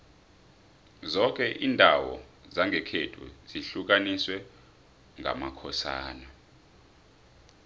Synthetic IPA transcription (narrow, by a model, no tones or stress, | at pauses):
zɔk̬ʼɛʔiːndʱawɔ̰zaŋɡʱɛkʰetʰʼṵz̥iɬuk̬aniswɛ | ŋʱa̰makʰɔsa̰ːna